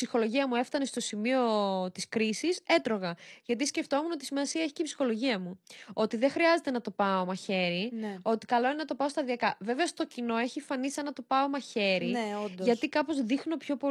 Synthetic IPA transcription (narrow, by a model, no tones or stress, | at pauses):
psixo̞lo̞ʝiɐmue̞ft̪ɐne̞st̪o̞simio̞t̪iskɾisise̞t̪ɾo̞ɣɐʝɐt̪̬isce̞ft̪o̞muno̞t̪isimɐsiɐeçiceipsixo̞lo̞ʝiɐmuo̞t̪iðexɾiɐze̞t̪e̞nɐt̪o̞pɐo̞mɐçe̞ɾino̞t̪i̥kɐlo̞inenɐt̪o̞pɐost̪ɐðiɐkɐve̞ve̞ɐost̪o̞cino̞e̞çiefɐnisɐnɐt̪o̞pɐomɐçe̞ɾiod̪ʝɐt̪ikɐpo̞zðixno̞pço̞po